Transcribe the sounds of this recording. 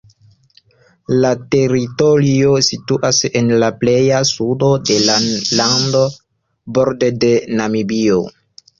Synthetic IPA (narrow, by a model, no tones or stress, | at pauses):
late̞ɾito̞ɾio̞situʔase̞nlaple̞jasudo̞de̞lalando̞ | bo̞ɾdede̞namibio̰